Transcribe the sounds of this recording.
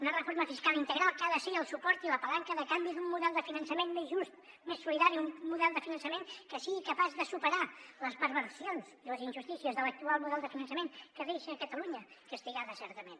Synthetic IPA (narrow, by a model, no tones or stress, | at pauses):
unərəfoɾməfiskalˠint̪əɣɾalˠkaðəsiəlˠsupɔɾt̪iləpəlaŋkəðəkambiðummuðɛlˠd̪əfinənsəmenmezʒust̪̚ | mesːuliðaɾiummuðɛlˠd̪əfinənsəmeŋkəsiɣikəpazðəsupəɾaləspəɾβəɾsionziləzinʲʒust̪isiəzðələk̚t̪ualˠmuðɛlˠd̪əfinənsəmeŋkəðeʃəːkət̪əluɲəkəst̪iɣaðəsɛɾt̪əmen